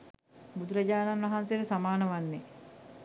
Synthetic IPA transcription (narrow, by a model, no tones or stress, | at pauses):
bud̪uɾaɟaːnanʋɐɦanseɾəsamaːnəʋanːe